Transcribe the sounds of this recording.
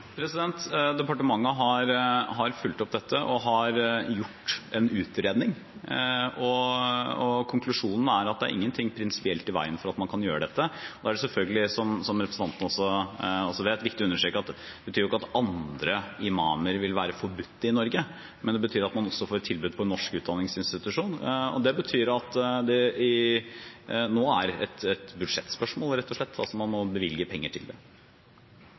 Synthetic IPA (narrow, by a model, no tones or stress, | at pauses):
pʰɾɛsɪd̪ɛnt̪d̪ɛpɑʈəmɑŋːəɦɑɾɦɑɾfʉlt̪ɔpd̪ɛt̪ːəʔɔɦɑɾjʊʈːɛnʉːt̪ɾeːd̪nɪŋ | ɔ | ɔkʰʊŋkʰlʉʂuːnn̩æɾɑt̪̚d̪ɛæɾʔɪ̰ŋːənt̪ʰɪŋːpʰɾɪnsɪ̥pɪɛlt̪ɪʋæ̰ɪənfɔɾɑt̪mɑnkʰɑnjøːɾəd̪ɛt̪ːəɔd̪ɑːæɖɛsɛlfœlɡəlɪsɔmsɔmɾɛpɾəsn̩ʰɑnt̪ənəɔsːɔɔsːɔʋeːt̪ʋɪkt̪ɪʉnːəʂɾeːkɑt̪ | ɛbət̪ʰyːɾʊɪkːɑt̪ɑnd̪ɾəɪmɑːməɾʋɪlʋæːɾəfɔɾbʉt̪ːəɪnɔɾɡə | mʔɛnd̪ɛbət̪ʰyːɾɑt̪mɑnɔsːɔfoːɾt̪ʰɪlbʉːd̪̚pʰɔɛnːɔʂkʉːt̪d̪ɑnːɪŋsɪnst̪ɪt̪ʉʂuːnɔ̰d̪ɛbət̪ʰyːɾɑt̪d̪ɛɪ | noːæɾɛt̪ɛt̪bʉd̪ʂɛt̪ːspœʂmoːlɾɛt̪ʰːɔʂɭɛt̪ːɑ̰lsɔmɑnmɔbəʋɪljəpʰɛŋːəʈʰɪld̪ɛ̰